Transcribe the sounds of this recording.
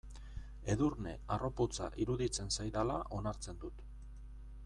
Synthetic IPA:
e̞ðurne̞aro̞pot͡sa̰ʔiɾuðit͡se̞nsajðala̰ʔo̞naɾt͡se̞nd̪ut̪

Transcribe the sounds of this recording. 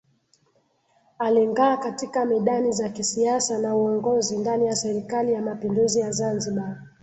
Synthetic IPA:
aliŋɡaːkatikamɛɗanizakisiasanauɔŋɡɔzindanijasɛɾikalijamapinduzijazanziɓa

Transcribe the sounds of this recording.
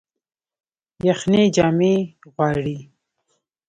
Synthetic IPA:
jaxned͡ʒɑːmeɣwɑːɽi

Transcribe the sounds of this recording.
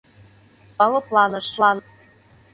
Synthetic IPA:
ɤlɤ̆plˠɑnɤ̆ʃlɑn

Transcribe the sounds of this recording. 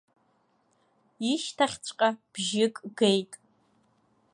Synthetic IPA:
iʃtʰaχʲt͡ɕʷʼqʼab̥ʒɪkʼɡejtʼ

